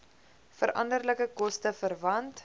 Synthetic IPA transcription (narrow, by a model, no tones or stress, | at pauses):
fəɾʔɐ̰ndərləkəkɔstəfərvɐnt